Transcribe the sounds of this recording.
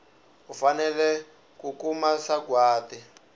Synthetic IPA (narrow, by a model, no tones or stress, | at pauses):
ufanɛlɛ | kukumasaɡwaːtɛ